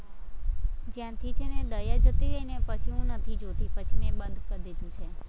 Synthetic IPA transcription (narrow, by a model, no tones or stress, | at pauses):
d͡ʒjãt̪ʰit͡ʃʰened̪əjad͡ʒət̪iɾəinepət͡ʃʰiɦũnət̪ʰid͡ʒot̪ipət͡ʃʰinebənd̪ʱkəɾd̪id̪ũt͡ʃʰe